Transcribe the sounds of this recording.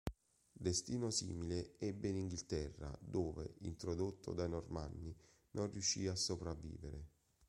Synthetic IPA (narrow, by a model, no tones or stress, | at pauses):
d̪est̪iːnosḭːmileɛbːeiniŋɡilt̪ɛrːa̰d̪oːvḛḭnt̪ɾod̪ot̪ːo̰d̪ainormanːi | nʔonrjuʃːiːasːopɾavːḭːveɾe